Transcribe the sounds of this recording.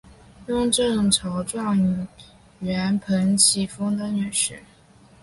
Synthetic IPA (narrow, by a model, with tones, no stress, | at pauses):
jʊ˥˧ŋʈ͡ʂɤ˥˩ŋʈ͡ʂʰɑ˧˥ʊʈ͡ʂwɑ˥˩ŋy˨˩ | ɥɛ˧˥npʰə˧˥ŋt͡ɕʰi˧˥˩fɤ˥ŋd̪ə˧˥ŋy˥˨˩ʂɻ̩˥˧˩